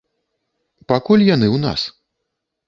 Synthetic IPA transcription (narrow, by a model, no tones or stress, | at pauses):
pakulʲjanɨwna̰s